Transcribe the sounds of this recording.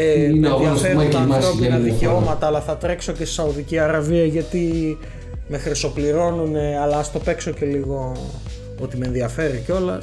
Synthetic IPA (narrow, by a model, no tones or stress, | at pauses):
emeeðiɐfeɾot̪ɐmɾopinɐðiceo̞mɐt̪ɐːlɐθɐt̪ɾe̞kso̞cesi̥sɐoðiciɐɾɐviɐʝɐt̪i | me̞xɾiso̞pliɾo̞nune̞ɐlɐɐst̪o̞pe̞kso̞ce̞liɣo̞ | ot̪imeːnðiɐfe̞ɾico̞lɐ̰s